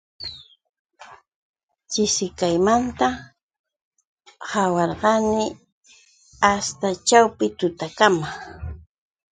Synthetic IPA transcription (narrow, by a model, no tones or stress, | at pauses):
t͡ʃɪsɪkajmant̪a | hawɑɾɢɑnɪ | ast̪at͡ʃawpɪt̪ʊt̪akama